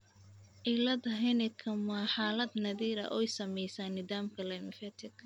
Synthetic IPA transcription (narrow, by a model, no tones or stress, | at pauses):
ʔɪlɐd̪ɐɦɛnɪkʰɐmaːħaːlɐd̪nɐðiːɾɐ̰ʔɔjsɐmɛjsaːnɪðaːmkʰɐlɛmɪfɛt̪ʰɪkʰ